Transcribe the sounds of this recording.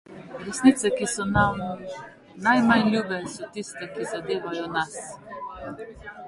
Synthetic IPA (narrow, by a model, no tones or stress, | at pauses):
ɾɛsnit̪sɛkisɔnamu | najmajlʲjuːbɛsɔt̪ist̪ɛkizad̪eːʋajɔnas